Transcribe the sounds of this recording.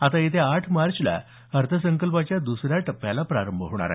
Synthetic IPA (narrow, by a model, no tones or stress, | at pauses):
at̪ajet̪ʰeaʈʰmaɾt͡ɕla̰ | əɾt̪ʰəsəŋkəlpat͡ɕjad̪usɾjaʈəpːjalapɾaɾəmbʱəɦʋɳ̃a̰ɾa̰